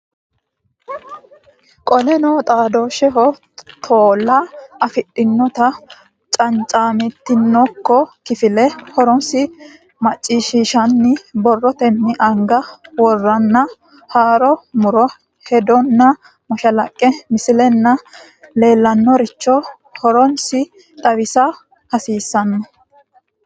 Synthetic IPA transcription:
kʼɔlɛnɔt̪ʼaːd̪oːʃɛɦɔ | t̪ʰoːlːɐɐfɪɗʼːɪnːɔt̪ɐ | t͡ʃʼɐnt͡ʃʼaːmɛt̪ːɪnːɔkːɔkɪfɪlɛhɔɾɔnsɪ | mɐt͡ʃʼːiːʃiːʃɐnːɪbɔrːɔt̪ɛnːɪʔɐŋɡɐwɔrːɐnːɐ | haːɾɔmʊɾɔ | hɛd̪ɔnːɐ | mɔʃɐlɐkʼːɛmɪsɪlɛnːɐ | le̞ːlːɐnːɔɾɪt͡ʃːɔ | hɔɾɔnsɪ | t̪ʼɐβɪsɐ | hɐsiːsːɐnːɐ

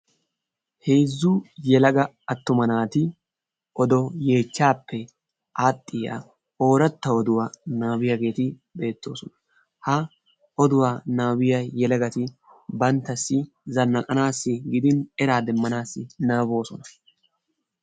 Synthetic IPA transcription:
heːzːʊjɛlɐɡɐ | ɐt̪ːʊmɐnaːt̪ɪ | ʔɔd̪ɔje̞ːt͡ʃːaːpːɛ | ʔaːt̪ʼːɪja̰ | o̞ːɾɐt̪ːɐɔd̪ʊwaːnaːwɪjɐɡe̞ːt̪ɪ | be̞ːt̪ːo̞ːsɔnɐ̥ | hɐ | ɔd̪ʊwaːnaːwɪjɐjɛlɐɡɐt̪ɪ | bɐnt̪ːɐsːɪ | zɐnːɐkʼɐnaːsːɪɡɪd̪ɪnɛɾaːd̪ɛmːɐnaːsːɪnaːbo̞ːsɔnɐ̥

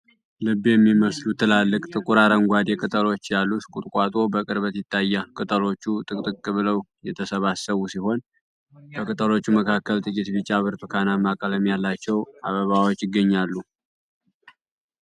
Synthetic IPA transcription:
lɨbːjɛmːiməslut̪ʰːɨlalːɨkʼt̪ʼɨkʼuɾaɾəŋɡʷad̪jɛkʼɨt̪ʼəlo̞t͡ʃːjalːuskʼut̪ʼkʼat̪ʼo̞bəkʼɨɾβət̪jɪt̪ʰːajːakʼɨt̪ʼəlo̞t͡ʃːut̪ʼɨkʼt̪ʼɨkʼkʼːɨβɨləwjɛt̪ʰəsəβasəβusiho̞n | bʰəkʼɨt̪ʼəlo̞t͡ʃːuməkʰakːəlt̪ʼɨkʼit̪bɨt͡ʃʼːaβɨɾt̪ʰɨkʰanamakʼələmijalːat͡ʃːɛwaβəβawot͡ʃːɪɡːəɲːalːu

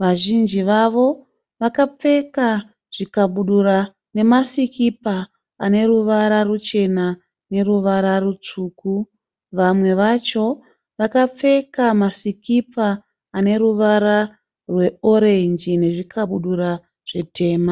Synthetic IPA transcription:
ʋaʒind͡ʒiʋaʋo̞ | ʋakap͡fe̞ka | ʐ̥ikaɓuɗura | ne̞masikipaː | ne̞ɾuʋaɾarut͡ʃe̞na | ne̞ɾuʋaɾarut͡ʂuːku | ʋamwe̞ʋat͡ʃo̞ | ʋakap͡fe̞kamasikipaː | ne̞ɾuʋaɾa | rwe̞o̞ɾe̞nd͡ʒine̞ʐikʰaɓuɗuɾa | ʐ̥e̞tʰe̞ːma

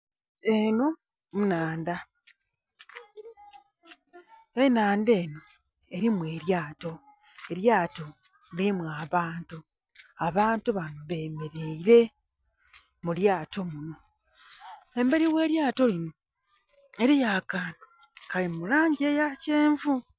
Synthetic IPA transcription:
eno̞ | munaːnda | enaːnde̞ːno̞ | e̞ɾimwe̞ːɾjaːto̞ | e̞ɾjaːto̞ | liimwaːβaːntu | aβaːntuβanoβe̞ːmeɾeiɾe̞ | muljaːto̞muno̞ | e̞mbe̞ɾiwe̞ːɾjaːto̞lino̞ | eɾijakano | kalimulaːɲɟejaceːɱvu

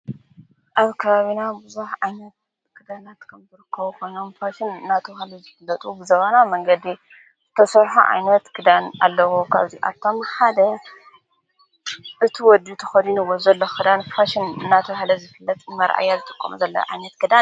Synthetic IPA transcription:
ʔaβkʰɐβaβinabɨzuħʕajnɐt̪̚ | kʰɨd̪anat̪kʰɐmzɨɾɨkʰːɐβukʰo̞jno̞mfaʃinɨnːat̪ʰɨβhlɐzɨfɨlːɐt̪ʼubɨzɐβanamɐŋɡɐd̪i | zɨt̪ʰɐsɐɾħuʕa̰jnɐt̪kʰɨd̪ana̰lːɐwukʰa̰βziʔa̰βt̪ʰo̞mħad̪ɐ | ʔɨt̪ʰiwɔd̪ut̪ʰɐ̥xɐd̪inɨwozɐlːokʰɨd̪anfaʃinɨnːat̪ʰɐβhlɐzɨfɨlːɐt̪ʼnmɐɾʔa̰jːazɨt̪ʼɨkʼːɐ̰muzɐlːɐ̰ʕa̰jnɐt̪kʰɨd̪a

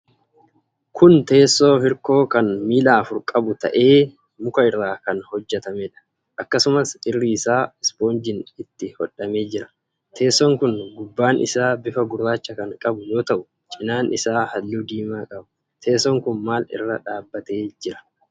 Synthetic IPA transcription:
kʰʊnt̪e̞ːsːo̞ːhɪɾko̞ːkɐnmiːlaːfʊɾkʼɐbʊt̪ɐ̰ʔe̞ː | mʊkɐɪrːaːkɐnhɔd͡ʒːɛt̪ɐmɛᶑɐ̥ | ʔɐkːɐsʊmɐsɪrːiɪsaːɛspo̞ːnd͡ʒɪnɪt̪ːɪhɔᶑɐme̞ːd͡ʒɪɾɐ̥ | t̪ʰe̞ːsːɔŋkʊnɡʊbːaːnʔɪ̰saːbɪfɐɡʊrːaːt͡ʃːɐkɐŋkʼɐbʊjo̞ːt̪ɐʔʊ̥ | t͡ʃʼɪnaːnʔɪsaːhɐlːuːd̪iːmaːkʼɐbʊ̥ | t̪ʰe̞ːsːɔŋkʊnmaːlɪ̰rːɐᶑaːbːɐt̪eːd͡ʒɪɾɐ̥

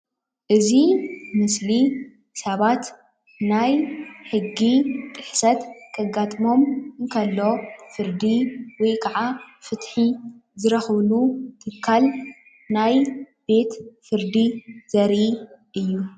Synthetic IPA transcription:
ʔɨzimɨsli | sɐβat̪ | najħɨɡːit̪ʼɨħsɐt̪kʼɐɡːat̪ʼmo̞mɨkʰɐlːo̞fɨɾd̪iwɔjkʰɐʕafɨt̪ħizɨɾɐxβlut̪ʰɨkʰːal | naj | b̥e̞t̪fɨɾd̪izɐɾiʔɨjːu

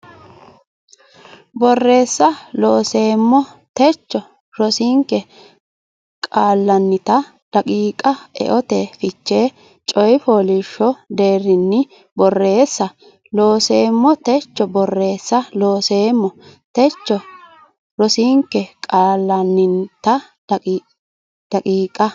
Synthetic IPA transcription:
bɔrːe̞ːsːɐloːseːmːɔ | t̪ɛt͡ʃːɔ | ɾɔsiːŋkːɛ | kʼaːlːɐnːɪt̪ɐ | lɐkʼiːkʼɐɛ̰ʔɔt̪ɛfɪt͡ʃːeː | t͡ʃʼɔjfoːlɪʃːɔd̪e̞ːɾɪnːɪ | bɔrːe̞ːsːɐ | loːseːmːɔt̪ɛt͡ʃːɔbɔrːe̞ːsːɐlo̞ːseːmːɔt̪ɛt͡ʃːɔ | ɾɔsiːŋkːɛkʼaːlːɐnːɪnt̪ɐ | d̪̥ɐkʼiːkʼɐ

